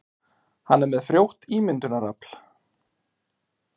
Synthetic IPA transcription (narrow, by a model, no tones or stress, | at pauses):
hanːɛɾmɛðfɾjowht̪iːmɪnt̪ʏnaɾapl̥